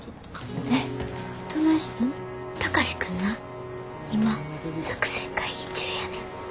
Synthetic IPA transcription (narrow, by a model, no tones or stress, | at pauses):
net̪onaçi̥t̪o | t̪akaɕi̥kɯna | imazakɯ̟̥sẽŋkaiɡʲit͡ɕijane